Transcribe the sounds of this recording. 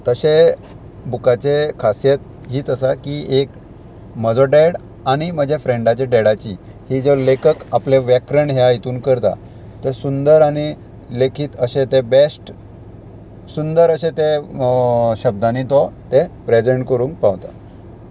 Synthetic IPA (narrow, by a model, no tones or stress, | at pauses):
t̪əɕe | bukat͡ɕekʰasjet̪̚ | ɦiːt͡səsakiek | məd͡zɔɖeɽ | aɽ̃im̤əd͡ʑʱefɾeɳɖat͡ɕeɖeɽat͡ɕi | hid͡zɔlekʰəkapleʋjɛkɾəɳɦjajit̪uːnkəɾt̪a̰ | t̪esund̪əɾañi | lekʰiːt̪əɕet̪ebesʈ | sund̪əɾəɕẽt̪e | ɕəb̚d̪anit̪ɔt̪epɾed͡zeɳʈkəɾũːŋk̚paʋt̪a̰